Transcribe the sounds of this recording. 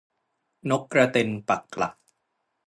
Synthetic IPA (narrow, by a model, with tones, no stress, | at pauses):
no˦˥kːɾa˧t̪e˧npa˨˩kːla̰˨˩k̚